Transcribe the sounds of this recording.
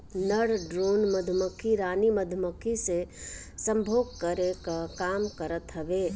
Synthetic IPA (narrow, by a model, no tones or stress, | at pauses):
nəɽɖɾoːnməd̪ʱməkʰiɾaːniməd̪ʱməkʰisesə̃mbʱoːɡ̚kəɾekakaːmkəɾət̪ɦɐʋeː